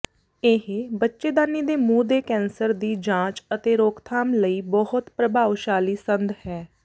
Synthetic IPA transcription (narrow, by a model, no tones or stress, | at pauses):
eɦbətːʃeːd̪aːniːd̪eːmũːd̪eːkɛ̃ːnsəɾd̪iːd͡ʒãːt͡ʃət̪eːɾoːkt̪ʰaːmləiːbɔhʊt̪pɾəbaːʋʃaːliːsənd̪hɛː